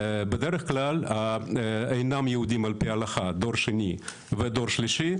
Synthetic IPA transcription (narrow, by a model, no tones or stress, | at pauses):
bed̪eɾeχklala | ejnamjehud̪imalpialaχad̪o̞ɾʃeni | ved̪o̞ɾʃliʃi